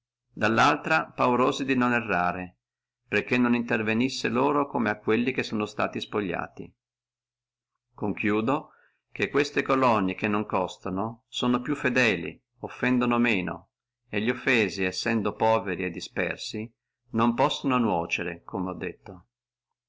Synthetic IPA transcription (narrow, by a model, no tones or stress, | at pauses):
d̪alːalt̪ɾapawɾoːzid̪inonɛrːaːɾe | perk̟ːenːonint̪ervenisːeloːɾokomeakːwelːikesːoːnost̪a̰ːt̪ispoʎːa̰ːt̪ḭ | koŋkjuːd̪o | k̟ekːwest̪ekolɔnːikenːoŋkɔst̪anosoːnopjufːed̪ɛːlḭ | ofːɛnd̪onomeːno̰ | eʎːiofːɛːziɛsːɛnd̪opɔːveɾied̪ːispɛ̰rsi | nompɔsːononwɔːt͡ʃeɾḛkʰomeɔd̪ːet̪ːo